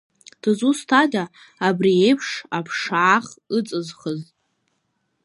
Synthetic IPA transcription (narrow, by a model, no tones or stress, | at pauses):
d̥ɨzustʰadaː | brie̞jpʰʂapʰʂaːχɨt͡sʼɨzχəz